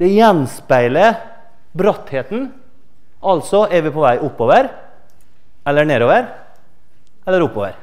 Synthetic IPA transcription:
d̪̥ɛjɛnspæɪlə | bɾœt̪heːt̪n | ʔɑlsɔʔeːʋɪpʰɔːʋæɪʔʊpːoːʋəɾ | ɛlːəɳeːɾoːʋəɾ | ɛlːəɾʊpːoːʋəɾ

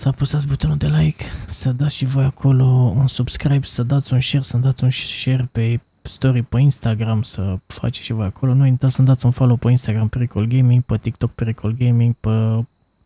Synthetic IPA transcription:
sapusat̪sbut̪onud̪e̞lajksəd̪at̪sʃivo̞jakʰo̞lo̞unsubskɾajb̪səd̪at̪sʲunʃe̞rsənd̪at̪sʲunʃe̞rpe̞ | st̪o̞ɾipəinst̪aɡɾamsəfa̰t͡ʃe̥ʃivo̞jakʰo̞lo̞nuint̪asənd̪at̪sʲunfolopəinst̪aɡɾampeɾikolɡejmiŋɡ̚pət̪ik̚t̪o̞k̚peɾikolɡejmiŋɡ̚pə

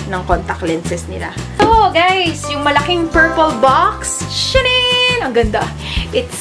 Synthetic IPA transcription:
nɐŋkont̪ɐk̚lɛnsɛsnɪ̰la̰ | oɡajsjʊŋmɐlɐkɪŋpɛɹpolbaksʃɐnɪnɐŋɡɐnd̪a | ʔɪt̪

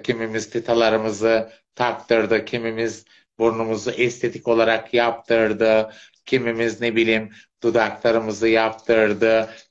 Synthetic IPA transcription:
cʰimimizt̪ʰet̪ʰalˠaɾɯmɯzɯ | t̪ʰak̚t̪ɯɾd̪ɯcʰimimiz | buɾunumuzuʔɛst̪ʰe̞t̪ʰi̥co̞lˠaɾakjap̚t̪ʰɯɾd̪ɯ | cʰimimiznebilʲim | d̪̥ud̪aklˠaɾɯmɯzɯjap̚t̪ʰɯɾd̪ɯ

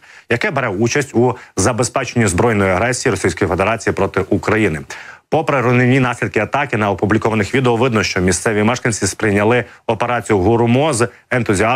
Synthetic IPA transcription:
jɐkɛbeɾɛut͡ʃɐsʲtʲuzɐbe̞spɛt͡ʃenʲːizbɾɔjnɔjiɐɦɾɛsʲijiɾɔsʲijsʲkɔjife̞d̪eɾɑt͡sʲijipɾɔt̪ɪʔukɾɐjinɪpɔpɾeɾʊnenʲːinɑsʲlʲid̪̚kɪɐt̪ɑkɪnɐɔpublʲikɔʋɐnɪxʋʲid̪eɔʋɪd̪nɔʃt͡ʃɔmʲist̪sɛʋʲimɛʃkɐnʲt͡sʲispɾɪjnʲɐlˠɪɔpe̞ɾɑt͡sʲijʊɦʊɾmɔz | ent̪ʊzʲiɑ

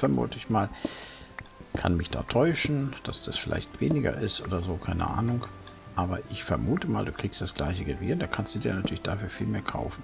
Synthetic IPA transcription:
fɛɐmṵːtəɪçmaːl | kʰa̰nmɪçd̥a̰ːtʰɔʏʃn̩d̥asd̥asfɪlʔa̰ɪçtv̥eːnɪɡɐ̰ʔɪstʔoːdɐzoːkʰaɪnə̰ʔa̰ːnʊŋk | ʔaːbɐʔɪçfɛɐmuːtəmaːlduːkʁ̥iːkstd̥asɡ̥laɪçəɡəvɪ̰ːɐdaːkʰanstd̥udiːɐnatʰyːɐlɪçd̥afyːɐfiːlmeːɐkʰa̰ʊfn̩

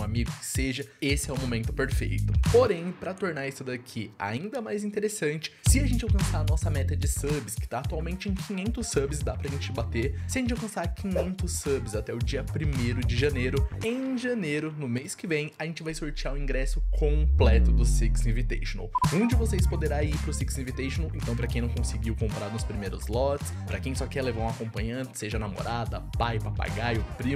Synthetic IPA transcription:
ũamiɡʊkɪ̥seʒɐesɪɛʊmomẽnt̪ʊpeɾfḛjt̪ʊpoɾẽj̃pɾɐt̪oɾnaɾisʊd̪akʰia̰ĩnd̪ɐmajzĩnt̪eɾesɐ̃nt͡ʃɪ̥sɪaɐʒẽnt͡ʃɪawkɐ̃saɾɐnɔsɐmɛt̪ɐd͡ʒɪsɐbɪskɪ̥t̪aːt̪uawmẽnt͡ʃɪẽj̃kʰĩɲẽnt̪ʊsːɐbɪsd̪apɾɐʒẽnt͡ʃɪbat̪eɾsɪɐʒẽnt͡ʃɪawkɐ̃saɾkĩɲẽnt̪ʊsːɐbɪzat̪ɛʊd͡ʒiɐpɾimejɾʊd͡ʒɪʒɐnejɾʊẽj̃ʒɐnejɾʊnʊmejskɪvẽj̃ɐʒẽnt͡ʃɪvajsoɾt͡ʃiaʊĩŋɡɾɛsʊkʰõplɛt̪ʊd̪ʊsiksĩvit̪ejʃonɐ̰wũd͡ʒɪvosespod̪eɾaiɾpɾʊsiksĩvit̪ejʃõnwẽnt̪ɐ̃w̃pɾɐkẽj̃nɐ̃w̃kõsɪɡiwkõmpɾaɾnʊspɾimejɾʊzlɔt͡ʃɪ̥spɾɐkẽj̃sɔkɛɾlevaɾũakõpɐ̃ɲɐ̃nt̪ɪseʒɐnamo̰ɾad̪ɐpajpapa̰ɡajopɾi

